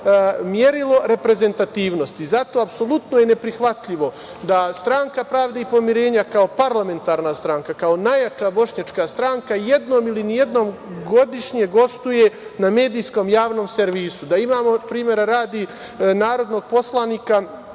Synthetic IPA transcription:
mje̞ɾilˠo̞ɾe̞pɾe̞ze̞nt̪at̪iːʋnost̪izat̪o̞apso̞lˠut̪nojene̞pɾixʋat̪ʎiʋo̞ | d̪ast̪ɾaŋkapɾaʋd̪eipo̞miɾe̞ːɲakao̞paɾlˠame̞nt̪aːɾnast̪ɾaːŋkakao̞najat͡ʃabo̞ʂɲat͡ʃkast̪ɾaŋkaje̞d̪noːmilinije̞d̪no̞ːmɡo̞d̪iʃɲe̞ɡo̞st̪uje̞name̞ːd̪ijsko̞ːmjaːʋno̞ːmseɾʋiːsud̪aimaːmo̞pɾiːmje̞ɾaɾaːd̪inaːɾo̞d̪noɡ̚po̞slˠaniːka

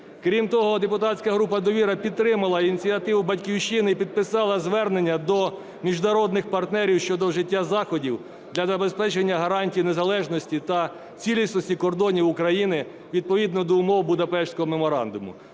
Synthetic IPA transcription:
kɾʲimt̪ɔɦɔd̪epʊt̪ɑtʲsʲkɐɦɾupɐd̪ɔʋʲiɾɐpʲid̪t̪ɾɪmɐlˠɐinʲit͡sʲiɐt̪ɪwʊbɐtʲkʲiwʃt͡ʃɪnipʲid̪̚pɪsɑlˠɐzʋɛrnenʲːɐd̪ɔ | mʲiʒnɐɾɔd̪nɪxpɐrt̪nɛɾʲiwʃt͡ʃɔd̪ɔʒɪtʲːazɑxɔdʲiw | d̪lʲɐzɐbespɛt͡ʃenʲːɐɦɐɾɑnʲtʲijinezɐlˠɛʒnɔsʲtʲit̪ɐ | t͡sʲilʲisnɔsʲtʲikɔrd̪ɔnʲiwʊkɾɐjinɪ | ʋʲid̪̚pɔʋʲid̪nɔd̪ɔʊmɔwbʊd̪ɐpɛʃsʲkɔɦɔmemɔɾɑ̰nd̪ʊmʊ̰

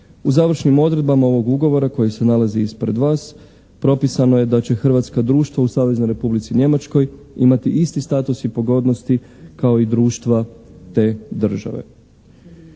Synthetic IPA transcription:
uzaʋr̩ʃnimo̞d̪ɾe̞d̪bamao̞ʋo̞ɡuɡo̞ʋo̞ɾako̞jise̞nalaziispɾe̞d̪ʋaːs | pɾo̞pisano̞je̞d̪at͡ɕe̞xr̩ʋat̪skad̪ɾuːʃt̪ʋausaːʋe̞zno̞jɾe̞publit̪siɲe̞mat͡ʃko̞j | imat̪iʔist̪ist̪aːt̪usipo̞ɡo̞d̪no̞st̪i | kao̞id̪ɾuːʃt̪ʋat̪e̞d̪r̩ʒa̰ʋe̞̰

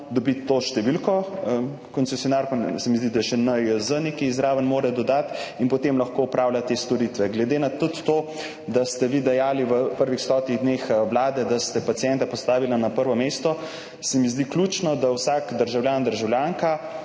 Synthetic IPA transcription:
d̪ɔbiːoʃt̪ɛʋilkɔ | kɔnsɛsjɔnaɾkɔnsɛmizd̪id̪aʃɛnəjəzənekiːzɾaːʋənmoːɾɛd̪ɔd̪at̪inpɔt̪emlɐxkoupɾaːwlʲjat̪est̪ɔɾit̪ʋɛɡlɛd̪eːnat̪ut̪ːoː | d̪ast̪ɛʋiːd̪ɛjaːliʋəpəɾʋixst̪ɔːt̪niɣd̪nexwlaːd̪ɛd̪ast̪ɛpat̪sijɛnt̪apɔst̪aːʋilanapəɾʋɔmeːst̪ɔ | sɛmizd̪ikluːt͡ʃnɔd̪awsaːkd̪əɾʒawljaːnd̪əɾʒawlʲjaŋka

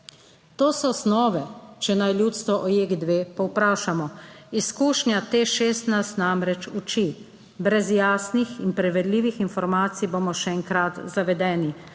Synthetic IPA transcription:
t̪oːsɔsnɔːʋɛt͡ʃɛnajljuːt̪st̪ʋɔʔɔjeɡd̪ʋeːpɔwpɾaːʃamɔiskuːʃnjat̪eʃeːst̪najst̪namɾɛt͡ʃut͡ʃi | bɾɛzjaːsnixinpɾɛʋɛd̪liːʋixinfɔɾmaːt̪sijboːmɔʃɛɛŋkɾat̪zaʋɛd̪ɛːni

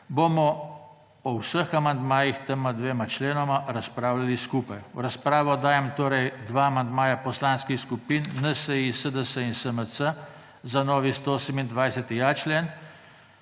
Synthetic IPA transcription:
bomɔ | ɔwsəxamand̪maːjixt̪əmad̪ʋeːmat͡ʃleːnɔmaɾaspɾaːwlaliskupajwɾaspɾaːʋɔd̪aːjɛmt̪oːɾɛjd̪ʋaːmand̪maːjapɔslaːnskixskupinːəsəjisəd̪əsəinsəməsə | zanɔːʋist̪oosəmind̪ʋajsət̪ijaːt͡ʃlen

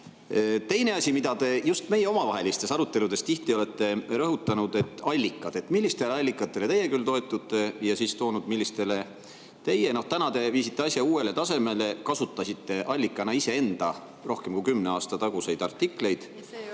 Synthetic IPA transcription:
t̪e̞jne̞ɑsʲimid̪̥ɑt̪e̞just̪me̞je̞o̞mɑvɑɦe̞list̪e̞sɑɾut̪ːˑe̞lud̪̥e̞st̪iht̪io̞le̞t̪ːe̞ɾɤɦut̪ːˑɑnud̪̥e̞t̪ːˑɑlʲːikːˑɑd̪̥e̞t̪milʲːist̪e̞leɑlʲːikːˑɑt̪ːˑe̞le̞t̪ejːe̞kylt̪o̞e̞t̪ːˑut̪ːˑe̞jɑsiːst̪o̞ːnud̪milʲːist̪e̞le̞ | t̪e̞je̞no̞ht̪ænɑt̪e̞viːsit̪ːˑe̞ɑsjɑuːe̞le̞t̪ɑse̞me̞le̞kɑsut̪ːˑɑsʲit̪ːe̞ʔɑlʲːikːˑɑnɑise̞e̞nd̪̥ɑ | ro̞hkemkujkymːneɑːst̪ɑt̪ɑɡ̥use̞jd̪̥ɑrt̪ːˑikle̞jd̪̥

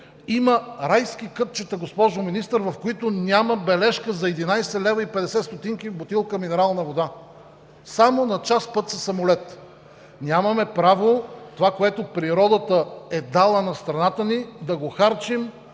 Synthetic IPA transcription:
iməɾajskikɤt̪̚t͡ʃɛt̪ɐɡospɔʒominist̪əɾvɐfkoit̪onʲaməbɛlɛʃkəzɐɛd̪inajsɛlɛvɐipɛd̪ɛsɛt̪st̪ot̪iŋkibot̪ilˠkəminɛɾalˠnɐvod̪a | samonɐt͡ʃaspɤt̪sɐsɐmolɛt̪ | nʲamɐmɛpɾavot̪ovakoɛt̪opɾiɾɔd̪ət̪əɛd̪alˠənɐst̪ɾɐnat̪ənid̪ɐɡoxaɾt͡ʃim

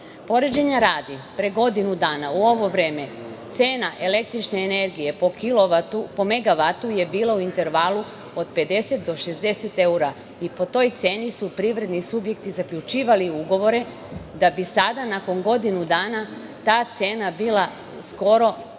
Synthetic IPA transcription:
po̞ɾed͡ʑeɲaɾaːd̪ipɾeɡo̞d̪inud̪aːnauo̞ʋo̞ʋɾe̞ːme̞ | t̪seːnaʔele̞k̚t̪ɾit͡ʃneːne̞ɾɡije̞pokiloʋaupo̞me̞ɡaʋat̪uje̞biːlˠauint̪e̞ɾʋalu | o̞d̪pe̞d̪e̞se̞t̪̚d̪o̞ʃe̞zd̪e̞se̞t̪e̞uɾa | ipo̞t̪o̞ːjt̪se̞ːnisupɾiʋɾe̞d̪nisubje̞k̚t̪izakʎʲut͡ʃiːʋaliuɡo̞ʋo̞ɾe̞ | d̪abisad̪anako̞ŋɡo̞d̪inud̪aːna | t̪aːt̪se̞ːnabiːla | sko̞ɾo̞

